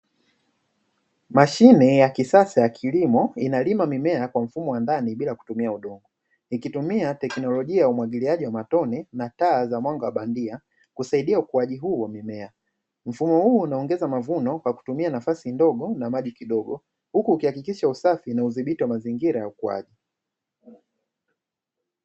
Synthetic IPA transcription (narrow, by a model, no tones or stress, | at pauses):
maʃinɛjakisasajakʰilimɔinalimamimɛakwam̩fumɔwandaniɓilaku̥tumiauɗɔŋɡɔ | ikitumiatɛknɔlɔʄiajaumwaɠiliaʄiwamatɔnɛnataːzamwaŋɡawaɓandia | kusaiɗiaukuaʄiɦuːwamimɛa | m̩fumɔhuːnaɔŋɡɛzamavunɔkwaku̥tumianafasindɔɡɔnamaʄikiɗɔɡɔ | hukuːkihakikiʃausafinauðiɓitiwamaziŋɡiɾajaukua̰ʄi